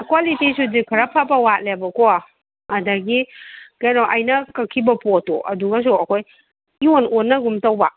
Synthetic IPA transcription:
kwalitisudikʰɐɾapʰapɐwat̚lebɐkoa | ɐdaɡikenɔʔɐjnɐkɐkʰːibɐpoto̰ʔɐ̰duɡɐs̬uɐkʰoj | iononːɐɡumtɐwbɐ

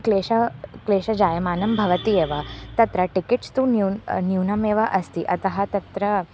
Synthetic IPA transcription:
kleːɕɐkleːʃɐd͡ʒaːjɐmaːnɐmbʱɐʋɐt̪ieːʋat̪ɐt̪ɾɐʈikiʈst̪ununjuːnɐmeːʋaʔɐst̪iʔɐt̪ɐɦɐt̪ɐt̪ɾɐ

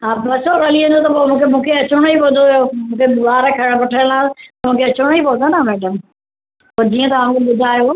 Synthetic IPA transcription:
ɦaːbɐsokɐliʋə̃nd̪ot̪ɐpoːmũːkʰemũːkʰeɐt͡ɕʊɽ̃oipʊd̪ʱojomũːkʰebaːɾəkʰɐɽ̃pɐʈʰəlãt̪mũːkʰeɐt͡ɕʊɽ̃oipɐ̃d̪onɐmɛːɖəm | pɐd͡ʑiːə̃t̪ɐʋaːũkeɓʊd̪ʱaːjo

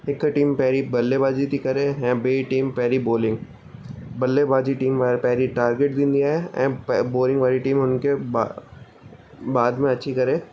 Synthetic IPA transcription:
ɪkːʈiːmpɛɦɾibɐlːebaːd͡ʒit̪ikɐɾẽːɦɛ̃ːbeːʈiːmpɛɦɾiboːlɪ̃ŋɡ | bɐlːebaːd͡ʒiʈiːmʋaɾpɛɦɾiʈaːɾɡeʈ̚d̪ɪ̃nd̪ijaːɦɛɛ̰̃ːpboːlɪ̃ŋɡʋaːɾiʈiːmɦʊnkeba | baːd̪mẽɐtːʃʰikɐɾẽː

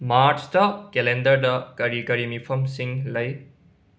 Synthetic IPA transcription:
maːɾstʌkelendɐɾɖɐkɐɾikɐɾimipʰɐmsiŋlɐj

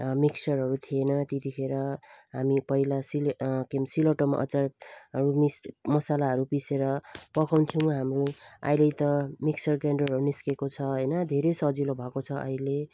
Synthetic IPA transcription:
miksʌrɦʌɾut̪ʰienʌt̪et̪ipʰeɾʌɦamipʌilasilkemsiloʈʌmʔʌ̰t͡sarʌɾumismʌsalaɦʌɾupiseɾʌpʌkʰawnt̪ʰiw̃ɦamrua̰jlejt̪ʌmiksʌrɡraɳɖʌrɦʌɾuniskekot͡sʰʌɦʌjnʌd̪ʱeɾʌjsʌd͡zilobʱʌkot͡sʰʌʔʌ̰ile

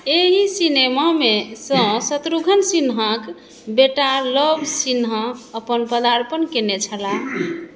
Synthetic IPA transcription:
eɦisinemamesə̃sət̪ɾuɡʱənsinɦə̃k | beʈaləbʱsinɦãəpənpəd̪aɾpənkenet͡ʃʰəla

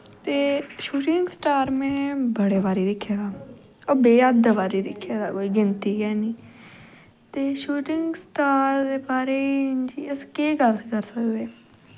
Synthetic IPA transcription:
t̪eːʃuːʈɪŋɡsʈaːɾmẽːbəɽeːbaːɾiːd̪ɪkʰːjaːɡ̪aː | əbeːəd̪əbaːɾiːd̪ɪkʰːaːd̪aːkoːiːɡɪnt̪iːɡɛːniː | t̪eːʃuːʈɪŋɡsʈaːɾd̪eːbaːɾeːd͡ʒiːəskeːɡəlkəɾsəkd̪eː

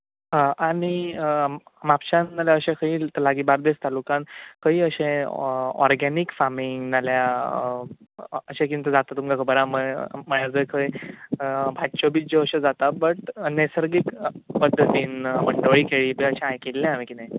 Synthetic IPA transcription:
ɦãani | mapɕãnːaljaəɕẽkʰəiːt̪əlaɡiːbaɾd̪est̪alukãnkəiːəɕẽ | ɔ̰ɾɡanikfamiŋnalja | əɕẽkint̪əd͡zat̪at̪ːumkakʰəbəɾaməməɭjad͡zəjkʰəj | bʱatt͡ɕobid͡ʑoəɕẽd͡zat̪abəʈnesəɾɡiːkpəd̪ʱːət̪iːnməɳɖoɭiːkeɭiːbeəɕẽãjkelːẽamikina

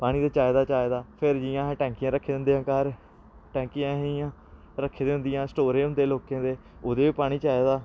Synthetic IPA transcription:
paːɽ̃iːd̪aːt͡ʃaːeːd̪aːt͡ʃaːed̪aːpʰɪɾd͡ʒɪjãːɦɛ̃ːʈɛ̃ːŋkɪjãːɾəkʰːeːd̪nd̪ejãːkaɾ | ʈɛ̃ːŋkɪjãːɦeːjãː | ɾəkʰːeːd̪eːɦʊnd̪ɪjãːsʈoːɾẽːʊnd̪eːloːkẽːd̪eː | oːd̪eːʋiːpaːɽ̃iːt͡ʃaːeːd̪aː

